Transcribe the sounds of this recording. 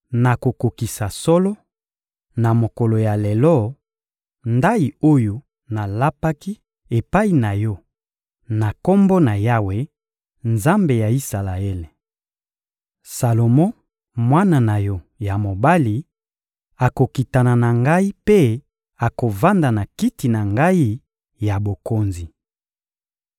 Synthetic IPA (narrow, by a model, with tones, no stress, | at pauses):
na˨ko˨ko˨ki˨sa˨sɔ˦lɔ˦ | na˨mo˨ko˨lo˨ja˨le˨lɔ˦ | nda˦i˨o˦jo˨ | na˨la˦pa˦ki˦ | e˨pa˦i˨na˨jɔ˦ | na˨kɔ˦mbɔ˦na˨ja˦we˨ | nza˦mbe˨ja˨i˦sa˨la˨e˦le˨ | sa˨lo˨mɔ̃˦ | mwa˦na˨na˨jɔ˦ | ja˨mo˨ba˦li˨ | a˨ko˨ki˨ta˨na˨na˨ŋɡa˦i˦pe˦ | a˨ko˨va˦nda˨na˨ki˦ti˨na˨ŋɡa˦i˦ | ja˨bo˨ko˦nzi˨